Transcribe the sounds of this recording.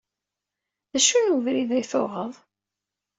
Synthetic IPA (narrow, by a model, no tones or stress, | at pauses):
ðæʃunuvɾiðæjθoʁəðˤ